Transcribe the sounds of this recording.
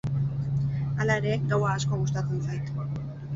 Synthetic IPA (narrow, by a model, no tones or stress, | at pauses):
alaeɾe̞ɡawaːsko̞ɣust̪at͡s̪ensajt̪